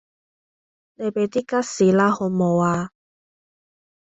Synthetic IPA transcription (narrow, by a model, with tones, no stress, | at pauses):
ne˨˧jpe˨˧jt̪iː˥ka˥t̚siː˨˥laː˦˥ho˨˧˦mo˨˧waː˧